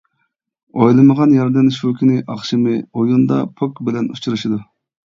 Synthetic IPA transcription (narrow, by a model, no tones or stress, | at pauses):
ojlˠɨməʁɑnjɑɾd̪ɛnʃukʰʲinɪʔɑχʃɪmɪojund̪ɑ̰pʰokbɪlɛnut͡ʃʰuɾɨʃid̪u